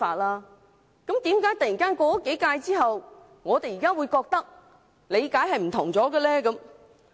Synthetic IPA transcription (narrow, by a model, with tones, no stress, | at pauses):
faː˧t̚laː˧ | kɐ˨˥mt̪iː˨˥mkaː˨˥jt̪ɐ˨ji˨˩kaː˥nkɔː˧kɔ˦˥ke˨˥jkaː˧jt͡siː˥ɦɐ˨w | ŋɔː˨˧t̪e˨jiː˨˩kaː˥wuː˨˧jkɔː˧k̚t̪ɐ˥k̚ | le˨˧jkaː˨˥jhɐ˨jm̩˨˩t̪ʰʊ̰˨˩ŋt͡sɔː˨˥ɡɛə˧lɛː˥kɐ˨˥m